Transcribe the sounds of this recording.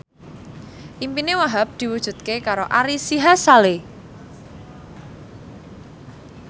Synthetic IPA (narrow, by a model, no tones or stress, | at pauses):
ʔimpinewaɦap̚d̪̥i̤wud̥ʒ̥ṳt̪̚kekaɾoʔaɾisiɦasale